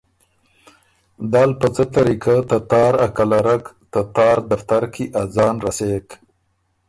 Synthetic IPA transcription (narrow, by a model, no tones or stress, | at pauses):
d̪aːlpət͡sət̪aɾikat̪at̪ɑːɾakalaɾak | t̪at̪ɑːɾd̪aft̪aɾkiʔad͡zɑːnɾasek